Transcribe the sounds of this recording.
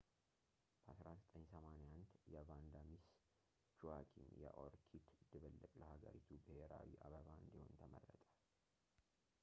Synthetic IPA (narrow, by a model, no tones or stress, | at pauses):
b̥əʔasɾazət̪ʼəɲsəmanejand̪jɛvand̪amis | t͡ʃuakʰinjɛʔoɾkʰit̪d̪ɨβəlːəkʼləhaɡəɾit̪ʰubəheɾawiʔaβəβaɨnd̪iho̞̰nt̪ʰəmərːət̪ʼḁl